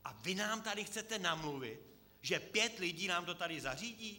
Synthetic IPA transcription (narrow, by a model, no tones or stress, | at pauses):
ʔavɪnaːmt̪adɪxt͡sɛt̪ɛnamluvɪt̪ | ʒɛpjɛt̪lɪɟiːnaːmt̪o̞t̪adɪzar̝iːɟiː